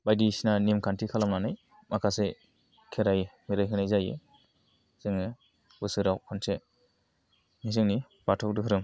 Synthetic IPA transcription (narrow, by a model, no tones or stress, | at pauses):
bajdisnanimkʰantʰikʰalamnanaj | makʰase | kʰeɾajmiɾajkʰɯnajzajḛ | z̥ɯŋɯ | bɯsɯɾawkʰɔnse | mizɯŋni | b̥atʰɔk̚dɯkʰɯɾɯŋ